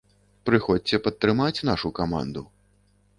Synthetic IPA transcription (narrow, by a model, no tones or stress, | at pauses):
pɾɨxɔt͡sʲɛpɐt̪ːɾɨmat͡sʲnaʂukama̰nd̪u